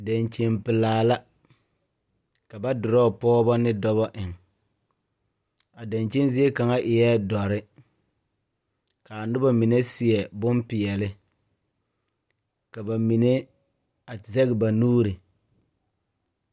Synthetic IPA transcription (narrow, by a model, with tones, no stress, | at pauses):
da˨ɲt͡ʃe˦mpɪ˨laː˨la˦ | ka˨ba˦dʊ˨ɾɔ˦˨pɔː˦bɔ˦nɪ˦dɔ˦bɔ˦ʔɪ˨ŋ | a˨da˨nt͡ʃe˦nzi˦e˦ka˨ŋa˦ʔɪ˨jɛ˦dɔ˨ɾɪ˦ | ka˨a˨nʊ˦ba˦mi˨ne˦sɪ˨ɛ˨bʊ˦mpɪ˨jɛ˨lɪ˦ | ka˨ba˨mi˨ne˦ | a˨zɛ˦ɡɪ˨ba˨nuː˦ɾɪ˨